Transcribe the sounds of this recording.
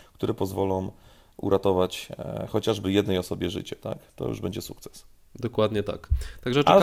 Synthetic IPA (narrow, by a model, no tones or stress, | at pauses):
k̚t̪uɾɛpɔzvɔlɔ̃w̃ | ṵɾʔat̪ɔvat͡ɕxɔt͡ɕaʐbɘjɛd̪nɛjɔsɔbʲjɛʐɘ̰t͡ɕɛt̪a̰kt̪ɔ̰jṵʐbɛɲd͡ʑɛsukt̪sɛ̥s | d̪ɔkwad̪ɲɛt̪a̰kt̪aɡʐɛ